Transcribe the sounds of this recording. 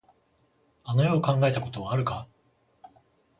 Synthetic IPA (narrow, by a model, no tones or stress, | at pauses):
ano̞jo̞ːkãŋɡae̞t̪ako̞t̪o̞βaːɾɯ̟ka